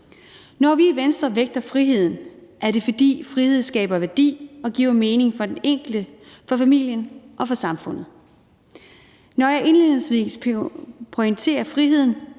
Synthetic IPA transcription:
nɒʋiːʋensd̥ʁɐʋeɡ̥̚d̥ɐfʁiɦe̝ð̞̰ˠn̩ʔæɐɾe̝fɒ̽d̥ḭːfʁihe̝ð̞̰ˠsɡ̥ɛ̰ːb̥ɐʋæɐd̥ḭːɒ̽ɡ̥ḭʊ̰ɐme̝ːne̝ŋfɒ̽d̥eneŋ̰ɡ̥ld̥əfɒ̽fæmil̰jənʔɒ̽fɒ̽sɑ̈mfɔ̽n̰ð̩ˠ | nɒjɑ̈ɪʔe̝nle̝ð̩ˠsʋḭːs | pʰoeŋt͡sʰe̝̰ːɐfʁiɦe̝ð̞̰ˠn̩

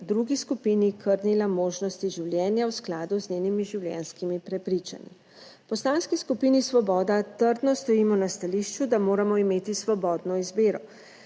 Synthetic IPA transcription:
d̪ɾuɡiskupiːnikʰəɾnilamoːʒnɔst̪iʒiwlʲjɛːnjawsklaːd̪uznʲeːnimiʒiwljɛ̰nskimipɾɛpɾit͡ʃa̰nḭ | pɔst̪anskiskupiːnisʋɔbɔːd̪at̪əɾd̪nɔst̪ɔiːmɔnast̪aliːʃt͡ʃud̪amoːɾamɔimeːt̪isʋɔbɔːd̪nɔizbeːɾɔ

